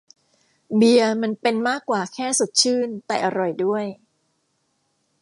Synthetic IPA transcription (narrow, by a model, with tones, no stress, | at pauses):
bi˧əma˧npe˧nmaː˥˩kːwaː˨˩kʰɛː˥˩su˨˩t̪̚t͡ɕʰɯː˥˩nt̪ɛː˨˩ʔa˧ɾɔ˨˩jdu˥˩əj